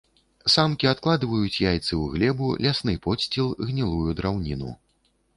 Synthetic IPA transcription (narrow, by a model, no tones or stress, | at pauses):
samkʲiat̪klˠad̪vɐjut͡sʲjajt̪sɨwɣlʲɛbulʲasnɨpɔsʲt͡sʲilˠɣnʲilˠujud̪ɾawnʲinṵ